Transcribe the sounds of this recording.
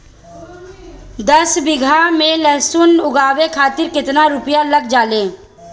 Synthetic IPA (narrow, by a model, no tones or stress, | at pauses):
d̪əsbɪɡʱamẽləɦsʊnʊɡaːwekʰaːt̪ɪɾkɪt̪naɾʊpjaləɡd͡ʒaːlẽː